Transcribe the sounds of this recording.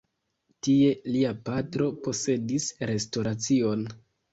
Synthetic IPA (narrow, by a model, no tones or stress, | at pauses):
tie̞liapatɾo̞po̞se̞disɾe̞sto̞ɾat͡sio̞n